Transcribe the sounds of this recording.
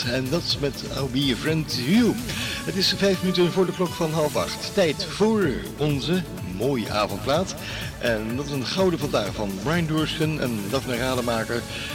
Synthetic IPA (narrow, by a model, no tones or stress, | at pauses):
ɛndɑtɪsmɛt | a̰wbifɹɛntɦyɦətɪsvɛjfmənytənvʊːɹdəklɔkfɑnɦɑlˠfɑ̰χtːɛjtfʊːɹ | ɔnzə | moːjʔa̰ːvɔnt̚plaːt | ʔɛndɑtɪsənχɑwdəvɑndaːχvɑnbɹajnduɹskənɛ̰ndɑfnəraːdəmaːkəɹ